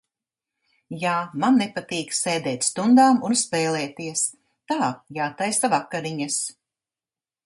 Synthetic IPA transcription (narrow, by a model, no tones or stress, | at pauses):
jaːmanːɛpat̪iːkssɛːd̪ɛːt̪ʲst̪und̪aːmunspɛːlɛːt̪iɛs | t̪aːjaːt̪ajsavakːaɾiɲas